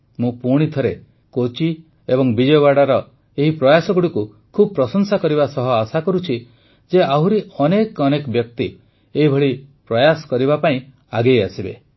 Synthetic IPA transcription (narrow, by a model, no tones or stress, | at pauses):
mũpuɽ̃it̪ʰɔɾe | kot͡ʃi | ebɔŋbid͡ʒɔjɔβaɽaɾɔ | eɦipɾɔjasɔɡuɽiku | kʰubɔpɾɔsɔŋsakɔɾibasɔɦɔasakɔɾut͡ʃʰi | d͡ʒeaɦuɾiɔnekɔnekɔbjɔk̚t̪i | eɦibʱɔɭipɾɔjasɔ̥kɔɾibapaĩ | aɡejasibḛ